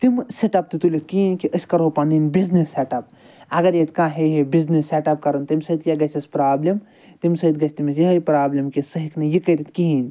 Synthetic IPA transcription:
t̪imseʈɐp̚t̪ɨt̪ulit̪̚ʰkiinkiʔəsʲkɐɾopãːninbiznisːeːʈɐp̚ | ɐɡɐɾjet̪kãːɦeɦibiznisːeʈɐp̚kɐɾunt̪imsɐit̪jɐɡɐt͡ʃʰʲɐspɾaːblim | t̪imsɐɦit̪̚ɡɐt͡ʃʰt̪imisjiɦɐjpɾaːblʲimkisɐɦiknɐjikɐɾit̪kiɦiːn

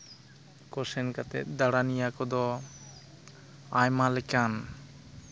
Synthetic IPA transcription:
kɔsɛnkat̪ɛ̰t̪̚ˀd̪aɽanijakɔd̪ɔ | ajmalɛkan

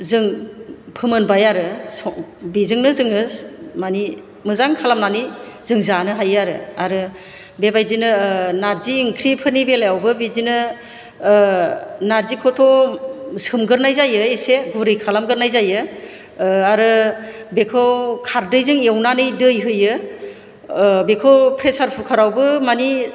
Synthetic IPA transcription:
zɯŋpʰɯmɯnbajaɾɯsɔbizɯŋnɯzɯŋɯsmani | mɯzaŋkʰalamnaniz̥ɯŋzanɯɦajaɾɯ̰aɾɯ | bebajdinɯnaɾziːŋkʰɾipʰɯnibelajawbɯbizinɯ | naɾzikʰɔtʰɔ | sɯmɡɯɾnajzajɯeseɡuɾɯjkʰalamɡɯɾnajzajɯ | aɾɯbekʰɯwkʰaɾdɯjzɯŋewnanɯjdɯjɦɯjɯ | bekʰɯwpʰɾesaɾpʰɯkʰaɾawbɯmani

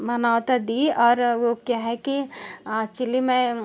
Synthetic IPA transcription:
mɐnaːʋt̪ad̪iɔːɾʋokjaɦɛkiat͡ʃilimẽ

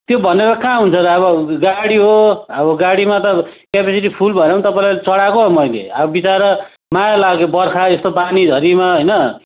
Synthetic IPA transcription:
t̪jobʱʌneɾʌkãɦunt͡sʰʌɾʌʌβʌɡaɽiɦoʌβʌɡaɽimat̪ʌkapesiʈipʰulbʱʌnãw̃nt̪ʌpajlalt͡sʌɽakoɦomʌjlḛʌbʌbit͡saɾʌ | majalaɡebʌrkʰaest̪obanid̪ʱʌɾimaɦʌjnʌ

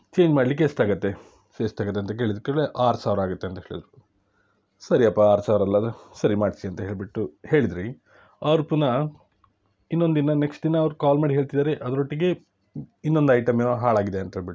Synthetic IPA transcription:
t͡ʃe̞ːɲd͡ʒmaːɽlik̬est̪aːɡɐt̪ːe̞ | est̪aːɡɐt̪ːeɐnt̪ɐk̬e̞ːɭid̪ɾukːeːɭeʔaːɾsaːʋɾaːɡut̪ːe̞ɐnt̪ɐɦeɭid̪ɾu | sɐɾiɐpːɐaːɾsaːʋɾɐlːɐsɐɾimaːɽsiɐnt̪ɐɦe̞ːɭbiʈːuhe̞ːɭid̪ɾi | aːɾupːunɐ | inːo̞nd̪inɐneksʈd̪inɐːʋɐɾukaːlmaːɽiɦe̞ːɭt̪id̪aːɾeʔɐd̪ɐɾo̞ʈːiɡe̞ | inːo̞nd̪ɐjʈɐmeɦaːɭaːɡid̪eɐnt̪ɐɦeːɭbiʈːu

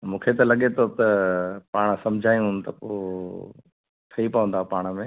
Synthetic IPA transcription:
mũːkʰet̪ɐlɐɠet̪ʰot̪ɐpaːɽ̃sɐmd͡ʑʱaːjũt̪ɐpoː | t̪ʰɐipɐʋə̃nd̪apaːɽ̃mẽː

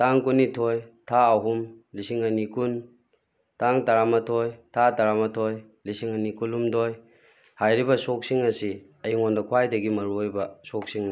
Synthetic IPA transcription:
taŋkunːitʰojtʰaːɦumlisiŋɐnikun | taŋtaɾamɐtʰojtʰataɾamɐtʰoj | lisiŋɐnikulumdoj | hajɾibɐsok̚siŋɐsi | ɐjiŋondɐkʰwajdɐɡimɐɾuojbɐsok̚siŋ

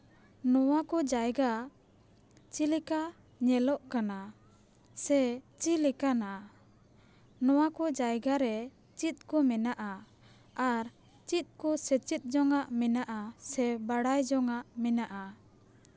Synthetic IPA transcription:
nɔwakɔd͡ʒajɡa | t͡ʃilika | ɲɛlɔʔkana | sɛt͡ʃilikana | nɔwakɔd͡ʒajɡaɾɛ | t͡ʃit̪̚ˀkɔmɛnaʔa | aɾ | t͡ʃit̪̚ˀkɔsɛt͡ʃit̪̚ˀd͡ʒɔŋaʔmɛnaʔasɛbaɽajd͡ʒɔŋaʔmɛnaʔa

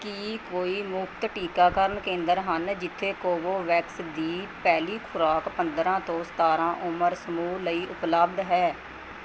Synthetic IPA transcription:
kiːkoːiːmʊkt̪ʈiːkaːkəɾənkẽːnd̪əɾɦənd͡ʒɪt̪ʰːeːkoːboːʋɛːksd̪iːpɛːliːkʰʊɾaːkpə̃nd̪ɾãːt̪õːsə̥t̪aːɾãːʔʊməɾsəmuːləiːʔʊpləb̚d̪ɦɛː

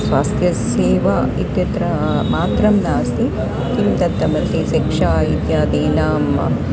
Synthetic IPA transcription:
sʋaːst̪jɐs | eːʋait̪jɐt̪ɾɐ | maːt̪ɾɐmnaːst̪i | k̪imt̪ɐt̪ːɐmɐt̪isekʂaːit̪jaːd̪eːnaːm

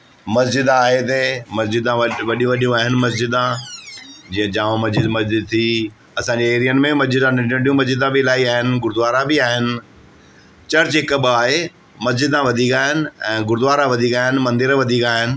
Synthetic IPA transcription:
mɐsd͡ʑɪd̪aːɦet̪emɐsd͡ʑɪd̪ãʋɐɗijũʋɐɗijũaːɦɪnɪ̆mɐs̬d͡ʑɪd̪ã | d͡ʑĩːə̃d͡ʑaːʋõmɐzd͡ʑɪd̪mɐsd͡ʑɪd̪̚t̪ʰi | ɐsãɲd͡ʑeeːɾijənɪ̆mẽmɐsd͡ʑɪd̪ãnɪ̃ʈɪ̃ɖijũmɐzd͡ʑɪd̪ãbɪɪlaːɦiaːɦɪnɪ̆ɡʊɾd̪ʋaːɾabɪaːɦɪnɪ̆ | t͡ɕɐɾt͡ɕɦɪkɓaːɦe | mɐs̬d͡ʑɪd̪ãʋɐd̪ʱiːkaːɦɪnɪ̆ɛ̃ːɡʊɾd̪ʊʋaːɾaʋɐd̪ʱiːkaːɦɪnɪ̆mɐ̃nd̪ɪɾʋɐd̪ʱiːkaːɦɪnɪ̆

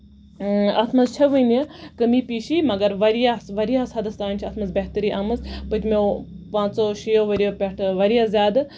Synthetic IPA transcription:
ɐt̪ʰmɐzt͡ʃʰɐʋənijɐkəmipiːʃimɐɡɐɾʋɐɾijaʋɐɾijaːsɐd̪ɐst̪aːnʲt͡ʃʰiɐt̪mɐzbeɦt̪əɾiːʔaːmɨzpɨd͡ʒme | pãːt͡ʃsoːʃijoːʋɐɾijopʲeʈʰʋɐɾijazjaːd̪

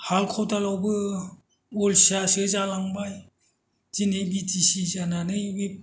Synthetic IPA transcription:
halkʰɔwtalawbɯ | olsiasɯzalaŋbaj | z̥inebitisizananɯjbip̚

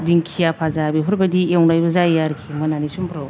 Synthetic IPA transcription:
diŋkʰijapʰazabiɦuɾbɐdiewŋlajbɐzajaɾkʰimananisumpʰɾaw

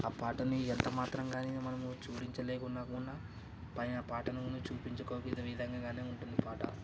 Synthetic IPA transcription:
aːpaːʈɐniɛnt̪ɐmaːt̪ɾɐmɡaːnimɐnɐmut͡ʃuːɽiɲt͡ʃɐleːkunːaːkunːɐ | pɐjnɐpaːʈɐnikunut͡ʃuːpiɲt͡ʃɐkoːkid̪ɐʋid̪ʱɐŋɡaːɡaːneːuɳʈund̪ipaːʈɐ̰

